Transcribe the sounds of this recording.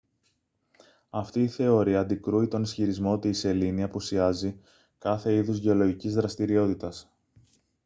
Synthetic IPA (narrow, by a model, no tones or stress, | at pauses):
ɐft̪iːθe̞o̞ɾiɐːnd̪ikɾuit̪o̞nisçiɾizmo̞t̪iːse̞liniɐpusiɐzi | kɐθe̞iðuzʝe̞o̞lo̞ʝicizðɾɐst̪iɾio̞t̪it̪ɐs